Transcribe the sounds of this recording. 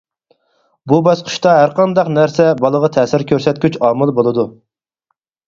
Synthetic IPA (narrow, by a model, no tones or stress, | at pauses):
bubɑsqʰʊ̥ʃt̪ɑɦæɾqʰɑnd̪ɑqnæɾsɛbɑlˠəʁɑt̪ʰɛːsɪɾkʲʰøɾsɛt̪̚kʲyt͡ʃɑːmɨlˠbolˠɨd̪u